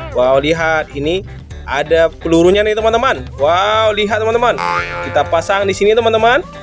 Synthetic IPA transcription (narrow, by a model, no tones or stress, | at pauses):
wawliɦat̪̚ini | adapəluɾuɲanat̪əmant̪əmanwawliɦat̪̚ːəmant̪əmankit̪apasaŋdisinit̪əmant̪əman